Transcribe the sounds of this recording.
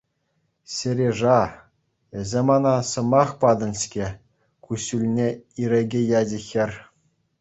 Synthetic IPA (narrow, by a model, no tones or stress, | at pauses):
sʲɘ̆ɾʲeʐɑ | ɘ̆zʲemɑnɑsɤ̆mɑχpɑd̪ɤ̆nʲɕkʲe | kuɕulʲnʲeiɾʲeɡʲejɑd͡ʑɘ̆xʲɘ̆rʲ